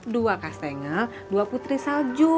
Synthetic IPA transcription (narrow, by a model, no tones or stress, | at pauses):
duakast̪ɛŋal | duaput̪ɾisald͡ʒu